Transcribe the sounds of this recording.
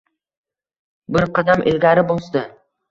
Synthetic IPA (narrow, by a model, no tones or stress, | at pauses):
bɪɾqʰɑd̪amʔɪlɡʲaɾɪbolˠsd̪ɪ